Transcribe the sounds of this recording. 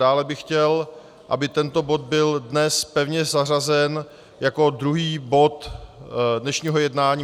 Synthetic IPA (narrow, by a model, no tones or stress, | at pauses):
aːlɛbɪxcɛl | ʔa̰bɪt̪ɛnt̪o̞bo̞t̪̚bɪldnɛspɛvɲɛzar̝azɛn | jako̞dɾuɦiːbo̞t̪ | dnɛʃɲiːɦo̞jɛdnaːɲiː